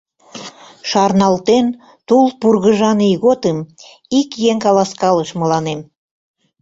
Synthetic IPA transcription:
ʃɑrnɑlt̪en | t̪ulˠpurɣəʒɑnijɣot̪əm | ikjeŋkɑlɑskɑləʃməlɑnem

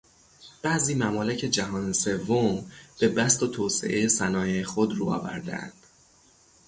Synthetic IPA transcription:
b̥æʔziːmæmɒːlecʰe̞d͡ʒæɦɒːnese̞vːomb̥e̞bæst̪ot̪ʰoːse̞̰ʔejesænɒːjejexod̪ruːɒ̰ːvæ̰ɾd̪ḛæ̰nd̪̥

